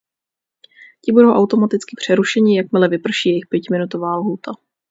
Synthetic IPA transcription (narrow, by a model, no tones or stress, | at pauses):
cɪbudowʔawt̪o̞mat̪ɪt͡skɪpr̝̥ɛɾuʃɛɲɪjak̚mɪlɛvɪpr̩ʃiːjɛjɪxpjɛcmɪnut̪o̞vaːlɦuːt̪a